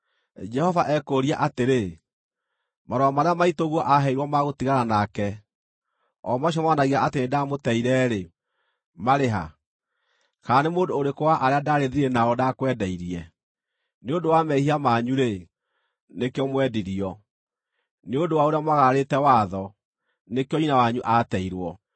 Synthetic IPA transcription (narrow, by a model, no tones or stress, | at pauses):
d͡ʒɛhɔvaʔɛkoːɾiaʔateɾe | maɾɔamaɾeamaitoɣwɔʔaɦɛiɾwɔmaɣotiɣaɾanakɛ | ɔmaʃ̬ɔmwanaɣiaʔatenedamotɛiɾɛɾe | maɾeɦa̰ | kanemoːdoːɾekowaʔaɾeadaɾeðiɾenaɔdakwɛdɛiɾiɛ | neodowamɛihiamaɲuɾe | nekeɔmwɛdiɾiɔ | neodowaoɾeamaɣaɾetɛwaðɔ | nekeɔinawaɲuʔatɛiɾwɔ